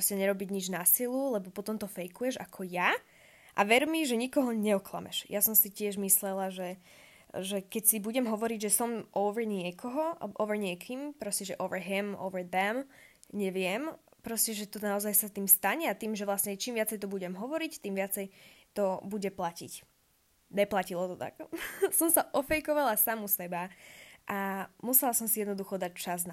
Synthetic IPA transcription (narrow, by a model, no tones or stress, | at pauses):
ɾɔscɛɲɛɾɔbiɟɲid͡ʒnasilulɛbɔpɔt̪ɔmt̪ɔfɛjkujɛʒa̰kʰɔja | ʔa̰ʋɛɾmiʒɛɲikɔɦɔɲɛɔkla̰mɛ̰ʃjʔasɔmsicɪɛʒmislɛlaʒɛ | ʒɛkɛcsibuɟɛmɦɔʋɔɾiɟʒɛsɔmʔɔʊʋɛɾɲɪɛkʰɔɦɔʔɔ̰ʊʋɛɹɲɪɛkʰimpɾɔscɛʒɛʔɔʊʋɛɹɦimɔ̰ʊʋɛɹðɛm | ɲɛʋɪɛmpɾɔscɛʒɛt̪ɔnaɔzajsat̪iːmst̪aɲɛat̪iːmʒɛʋlasɲɛt͡ʃiːmʋɪat͡sɛjt̪ɔbuɟɛmɦɔʋɔɾict̪iːmʋɪat͡sɛjt̪ɔbuɟɛplacḭc | ɲɛplacilɔt̪ɔt̪a̰ksɔmsaʔɔfɛjkɔʋalasamusɛbaʔamusɛlasɔmsijɛd̪nɔd̪uxɔd̪act͡ʃazna